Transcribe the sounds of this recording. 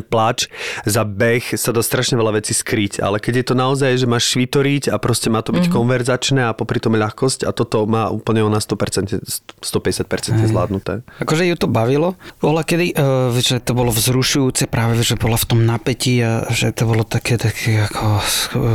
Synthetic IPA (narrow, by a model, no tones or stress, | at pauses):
plat͡ʃzabɛxsad̪aːst̪ɾaʃɲɛʋɛlaʋɛt͡siskɾica̰lɛkɛɟjɛt̪ɔnaɔzajʒɛmaːʃʃʋit̪ɔɾicapɾɔscɛmaːt̪ɔbickɔnʋɛɾzat͡ʃnɛːapɔpɾit̪ɔmʎaxkɔsca̰t̪ɔt̪ɔmaːʔṵːpl̩ɲɛɔnast̪ɔpɛɾt͡sɛnɛst̪ɔpɛɟɛsjat̪̚pɛɾt͡sɛnt̪ɲɛzla̰ːd̪nut̪ɛ̰ːakɔʒɛjut̪ɔbaʋilɔpɔɦlakɛd̪iʔʋɛʒɛt̪ɔbɔlɔvzɾuʃujuːt͡sɛpɾaːʋɛʋɛʒɛbɔlaft̪ɔmnapɛciaʒɛt̪ɔbɔlɔt̪akʰɛːt̪akʰɛakʰɔ